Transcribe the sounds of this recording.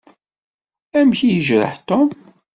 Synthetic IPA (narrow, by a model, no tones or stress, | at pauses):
æmçijəʒɾə̰ħt̪om